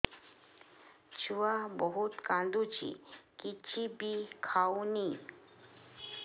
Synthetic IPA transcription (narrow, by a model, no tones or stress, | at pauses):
t͡ɕʰuabɔɦut̪kãnd̪ut͡ɕḭkit͡ɕibikʰawni